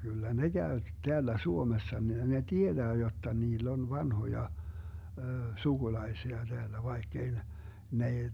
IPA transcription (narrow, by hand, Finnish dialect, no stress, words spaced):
kylːæ ne ɡ̊æø teælːæ suomesːɑ ne tied̥æː jotːɑ niːlː on ʋɑnhojɑ suɡ̊ulɑi̯siɑ d̥eælːæ ʋɑikː ei ne n ei